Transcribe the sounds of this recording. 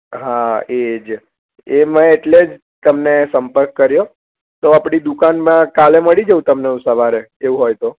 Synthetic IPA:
ɦaed͡ʒ | emə̃eʈled͡ʒ | t̪əmnesəmpəɾkːəɾjo | t̪oapɽ̃id̪ukanmãkaleməɭid͡ʒəũt̪əmneũsəʋaɾeeũɦojt̪o

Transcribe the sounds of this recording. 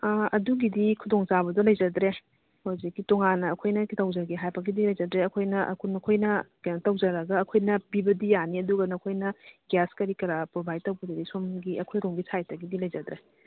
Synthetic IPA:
ɐduɡidikʰudoŋt͡ʃabɐdɐlɐjd͡ʒɐd̪ɾe | hozikːitoŋanːɐːkʰojnɐkitɐwd͡ʒɐɾɡiɦajbɐɡidilɐjd͡ʒɐdɾeɐkʰojnɐʔkʰnɐkʰojnɐkantɐwd͡ʒɐɾɐɡɐːkʰojnɐpibɐdijaniɐduɡɐnɐkʰojnɐɡjaskɐɾikɐɾapɾobajtɐwbɐdɐdisomɡiʔɐkʰojɾomɡisʰajtɐɡidilɐjd͡ʒɐd̪ɾe

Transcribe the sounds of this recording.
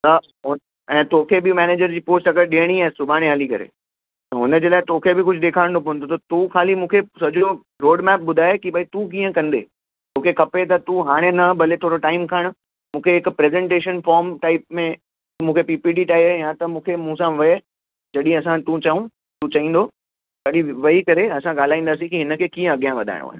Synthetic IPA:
t̪ɐ | ɦʊ | ɛ̃ːt̪oːkʰebɪmɛːneːd͡ʑəɾd͡ʑiːpoːsʈɐkəɾɗiəɽ̃iaːɦesʊbʱaːɽ̃eaːlikɐ̰ɾḛ | t̪ɐɦʊnə̆d͡ʑeːlaːɪt̪oːkʰebɪkʊd͡ʑʱʊd̪eːkʰaːɪ̃ɽ̃d̪opɐʋə̃nd̪ot̪ɐt̪ukʰaːlimũːkʰesɐd͡ʑʱo | ɾoːɖmɛːp̚ɓʊd̪ʱaːekibʱɐit̪ũk̬ĩːə̃kɐ̃nd̪ḛː | t̪oːkʰekʰɐpet̪̬ɐt̪ũɦaːɽ̃enɐbɐlet̪ʰoːɾoʈaːɪmkʰəɽ̃ | mũːkʰeɦɪkpɾeːzɛ̃ɳʈeːʃənfɔːɾmʈaːɪp̚mẽ | mũːkʰepiːpiːɖiʈaːijãt̪ɐmũːkʰemũːsãʋɐe | d͡ʑɐɗĩɐsãt̪ũt͡ɕɐɦũ | t̪ũt͡ɕɐĩːn̆d̪oː | kɐɗĩʋɐikɐɾeɐsãɠaːl̤aːĩːn̆d̪aːsĩkiɦɪnə̆kʰeːkĩːə̃ɐɠijãʋɐd̪ʱa̰ɪ̰ɽ̃o̰a̰ːɦe

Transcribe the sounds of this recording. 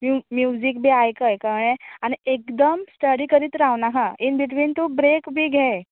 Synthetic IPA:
mumjud͡ʑik̚bʱiːajkəjkamɽ̃ẽañiekd̪əmsʈəɽiːkəɾiːt̪ɾaʋnakʰãinbiʈʋiːnt̪ubɾekbʱiːɡʱɛ

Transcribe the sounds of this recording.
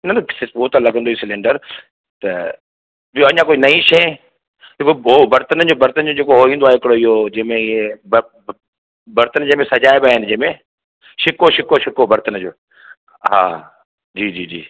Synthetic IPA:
nɐt̪soːt̪alɐɡə̃nd̪oːisɪlẽːɳɖəɾ | t̪ɐ | boɐɲãkoːinɐĩʃe | t̪ɐkoobɐɾt̪ənəd͡ʑoːbɐɾt̪ənd͡ʑod͡ʑeːkoɦoːĩːnd̪oaːɦɪkɪɽoɪɦod͡ʑɐ̃ɦmẽɪeb | bɐɾt̪ənd͡ʑɐ̃ɦɪ̃mẽsɐd͡ʑaːebɪaːɦɪnɪ̆d͡ʑɐ̃ɦmẽ | ʃɪkoʃɪkoʃɪkobɐɾt̪ənəd͡ʑoː | ɦa̰ː | d͡ʑiːd͡ʑiːd͡ʑḭː

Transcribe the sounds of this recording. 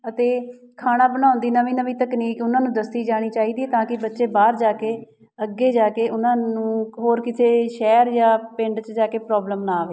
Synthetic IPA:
ət̪eː | kʰaːñãːbəñãːʊ̃nd̪iːnəʋĩːnəʋĩːt̪əkniːkʊnãːnũːd̪əsiːd͡ʒaːɽ̃iːt͡ʃaːiːd̪iːɛt̪ãːkɪbətːʃeːbaːɾd͡ʒaːkeː | əɡːeːd͡ʒaːkeːʊnãːnũːɦoːɾkɪt̪ʰeːʃɛːɾjãːpɪɳɖt͡ʃd͡ʒaːkeːpɾɔːbləmnaːʋeː

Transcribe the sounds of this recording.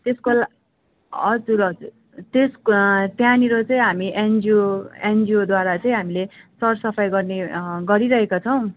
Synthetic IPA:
t̪eskol | ʌd͡zuɾʌd͡zur | t̪eskt̪janiɾot͡sʌĩɦamiʔend͡zioend͡ziod̪waɾat͡sʌĩɦamilesʌrsʌpʰajɡʌrneɡʌɾiɾʌɦekat͡sʰʌw̃

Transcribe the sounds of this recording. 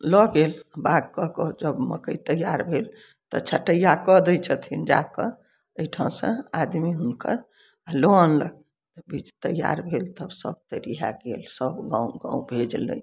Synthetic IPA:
lɔɡelbaɡ̚kɔkɔd͡ʒəbmə̰kəjt̪əjːaɾbʱel | t̪ɔ̰t͡ʃʰəʈəjakəd̪ət͡ʃʰət̪ʰind͡ʒa̰kə | əiʈʰaw̃sə̰̃ad̪miɦunkə̰ɾ | loənləɡ | t̪əbit͡ʃt̪əjːa̰ɾbʱelt̪əbsə̰b̚t̪əɾiɦa̰ɡelsəbɡãuɡã̰ubʱed͡ʒlə̰

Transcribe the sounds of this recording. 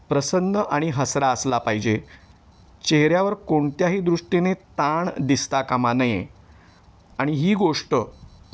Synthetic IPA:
pɾəsənːəʔaɽ̃iɦəsɾaəslapaɦid͡ʑe | t͡ɕeɦɾjaʋəɾkoɳt̪jaɦiːd̪ɾuʂʈenet̪aɳd̪ist̪akamanəjḛ | aɽ̃iɦiːɡoʂʈə

